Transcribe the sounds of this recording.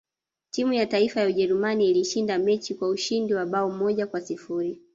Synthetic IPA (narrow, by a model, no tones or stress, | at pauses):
timujataifajauʄɛɾumaniːliʃindamɛt͡ʃikwauʃindiwaɓaɔmɔʄakwasifuɾi